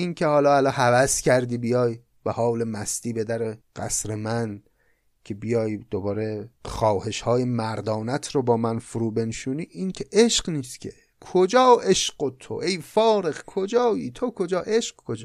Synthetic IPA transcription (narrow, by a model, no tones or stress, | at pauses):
incʰehɒːlɒːælɒhævæscʲʰæɾd̪iːbijɒːj | b̥ehɒːwle̞mæst̪iːbe̞d̪æɾeɢ̥æ̰sɾemæn | cʰe̞bijɒːjd̪̥obɒːɾe̞xɒːhe̞ʃhɒːjemæɾd̪ɒːnæt̪ʰɾobɒːmænfuɾuːbe̞nʃuːniːʔincʰeʔeʃɢniːst̪cʰe | kʰod͡ʒɒːʔeʃɢot̪ʰo̰ʔejfɒːɾe̞xkʰod͡ʒɒːjiːt̪ʰokʰod͡ʒɒːʔeʃqkʰod͡ʒ